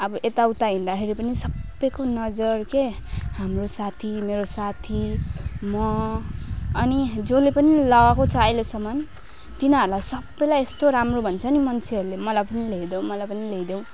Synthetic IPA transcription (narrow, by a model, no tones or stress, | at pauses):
ʌbʌʔet̪aut̪aɦĩnd̪akʰeɾipʌnisʌbːʌjkonʌd͡zʌrkehamrosat̪ʰimeɾosat̪ʰimʌ | ʌnid͡zolepʌnilʌɣakot͡sʰːjlosʌmʌn | t̪inɦʌɾulajsʌbːʌjlajest̪oɾamrobʱʌnt͡sʰʌnimʌnt͡sʰiʌɾulemʌlajpʌnileid̪ʌw̃mʌlajpʌnileid̪jew̃